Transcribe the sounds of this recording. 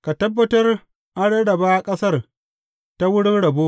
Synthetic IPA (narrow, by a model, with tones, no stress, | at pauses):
ka˨tɐ˦bːɐ˦tɐ˦r | ʔa˦ɽe˦ɽɐ˨baː˦˨kʼɐ˦sɐ˦r | ta˦wʊ˦ɽɪ˦nɽɐ˨boː˦ʔ